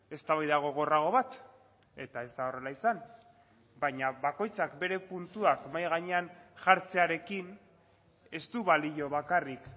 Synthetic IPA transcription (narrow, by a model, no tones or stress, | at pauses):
e̞st̪aβajðaɣ̞o̞ɣ̞oraɣ̞o̞βat̪ | e̞t̪ae̞zd̪aore̞laisan | baɲaβako̞jt͡sakbe̞ɾe̞punt̪uakmajɣaɲe̞anʝaɾt͡se̞aɾe̞kin | e̞st̪uβaliʎo̞βakarik